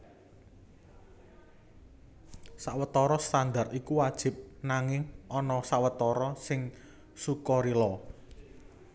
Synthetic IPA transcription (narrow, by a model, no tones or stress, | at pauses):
saʔwət̪ɔɾɔst̪and̪arikuwad̥ʒ̥ɪ̤p̚naŋɪŋɔnɔsaʔwət̪ɔɾɔsɪŋ | sukɔɾilɔ